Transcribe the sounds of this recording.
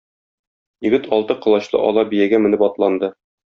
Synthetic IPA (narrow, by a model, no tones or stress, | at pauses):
jɘ̆ɡɘt̪ʰɒlˠt̪ɤqɤ̆lˠɑɕlˠɤ̰ʔɒ̰lˠɑbijæɡæmɘ̆nɘpɒt̪lˠɑnd̪ɤ